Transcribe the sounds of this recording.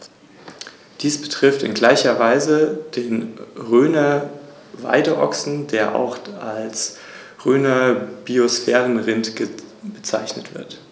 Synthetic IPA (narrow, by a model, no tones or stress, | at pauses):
d̥iːsb̥ə̥tʁ̥ɪftɪ̰nɡlaɪçɐvaɪzəd̥eːnʁøːnɐ | va̰ɪdəʔɔ̰ksn̩deːɐʔa̰ʊxals | ʁøːnɐb̥iosfɛːʁənʁɪntɡ̥b̥ət͡sa̰ɪçnətv̥ɪɐt